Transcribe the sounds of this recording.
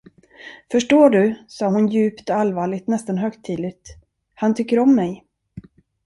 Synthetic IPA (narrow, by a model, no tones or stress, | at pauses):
fœʂʈoːɖɵsɑːhʊnjʉ̟ːpt̪ɔalvɑːɭɪɡt̪nɛst̪anɦœkt̪ʰːiːd̪lɪt̪ | hant̪ʰʏkːəɾɔmːɛj